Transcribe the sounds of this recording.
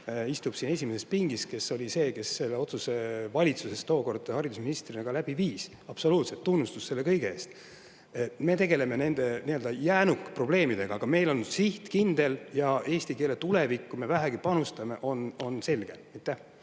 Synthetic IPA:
ist̪ub̥siːne̞s̬ʲimese̞spiŋɡ̥iske̞so̞lʲise̞ːke̞sːe̞lːe̞o̞t̪suse̞vɑlʲit̪suse̞st̪o̞ːko̞rd̪ɑhɑɾid̪usminist̪rinɑɡ̥ɑlæb̥iviːs | ɑb̥so̞luːt̪set̪ːunːust̪usse̞lːe̞kɤjɡ̥eeːst̪ | eme̞t̪e̞ɡ̥e̞le̞me̞ne̞nd̪̥e̞niøld̪ɑjæːnukːˑpro̞ble̞ːmid̪e̞ɡ̥ɑɑɡ̥ɑme̞jlo̞nsiht̪kind̪̥eljɑe̞ːsʲt̪ike̞ːle̞t̪ule̞vikːume̞væɦæɡ̥ipɑnust̪ɑme̞ʔo̞no̞nse̞lɡ̥eejt̪ːˑæh

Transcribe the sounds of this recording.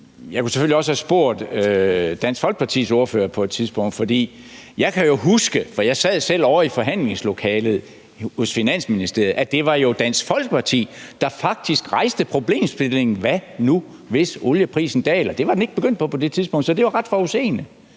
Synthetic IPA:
jɑ̈ɪkʰuseføliɒ̽səhæsb̥o̝ɐ̰d̥ød̥æn̰sfɒlɡ̥ə̥pʰɑ̈t͡sʰḭːso̝ɐfø̰ːɐpʰɒ̽e̝d̥̚t͡sʰiðˠsb̥ɔ̽ŋ̰d̥fɒ̽d̥ḭː | jɑ̈ɪkʰæjo̝ɦusɡ̥əfɒ̽jɑ̈ɪsɛð̰ˠsel̰ɒʊ̰ɐifɒ̽ɦæn̰le̝ŋslo̝kʰɛːlð̞̩ˠ | hosfinæn̰sminisd̥e̝ɐæd̥e̝ʋɑ̈jo̝d̥æn̰sɡ̥fɒ̽l̰ɡ̥əpʰɑ̈t͡sʰḭːd̥ɑ̈fɑ̈ɡ̥̚d̥isɡ̥ʁɑ̈ɪsd̥əpʰʁo̝b̥le̝̰ːmsb̥ele̝ŋn̩ʋænu | ʋe̝soljəpʰʁḭːsn̩d̥ɛ̰ːlɐd̥e̝ʋɑ̈d̥ene̝ɡ̥əb̥eɡ̥øn̰d̥̚pʰɒ̽pʰɒ̽d̥e̝t͡sʰiðˠsb̥ɔ̽ŋ̰d̥sɒ̽d̥e̝ʋɑ̈ʁɑd̥fɒuse̝̰ːnə

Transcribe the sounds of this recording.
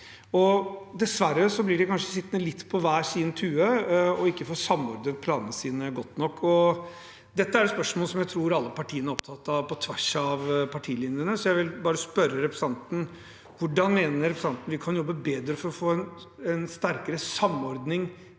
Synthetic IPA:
ɔd̪ɛsʋæɾːəsɔblɪɖɛkʰɑnʂəsɪt̪ːnəlɪt̪ːpʰɔʋæːsiːd̪nt̪ʰʉːəɔɪkːəfoːsɑmɔɾd̪əpʰlɑːnənəsiːnəɡɔt̪ːnɔkːɔ | d̪ɛt̪ːəæɖɛspœʂmoːləsɔmjæɪt̪ʰɾuːɾɑlːəpɑʈʰiːənæɾɔp̚t̪ʰɑt̪ːɑʋpɔt̪ʰʋæʂɑʋpʰɑʈʰiːlɪnɾənəsɔjæɪʋɪlbɑːɾəspœɾːəɾɛpɾəsɑnt̪n̩ | ʋʊɖːɑnmeːnəɾɾɛpɾəsɑnt̪ən̩ʋɪkʰɑnjɔbːəbeːd̪ɾəfɔɾɔfoːɛn | ɛnst̪æɾkəɾəsɑmɔɾd̪nɪŋ

